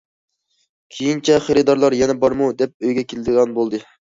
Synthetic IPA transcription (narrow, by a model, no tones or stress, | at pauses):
kʲʰejint͡ʃʰɛχeɾɨd̪ɑɾlˠɑɾjɛnɛbɑɾmud̪ɛp̚øjɡʲɛkʲʰelɪd̪ɨʁɑnbolˠd̪ɨ